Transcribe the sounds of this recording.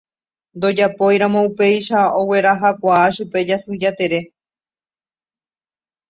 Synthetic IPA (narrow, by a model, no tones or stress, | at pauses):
nd̪o̞d͡ʒapo̞jɾãmõ̞upe̞jʃao̞we̞ɾaɦakʷaːʃupe̞d͡ʒasɨd͡ʒat̪e̞ɾe̞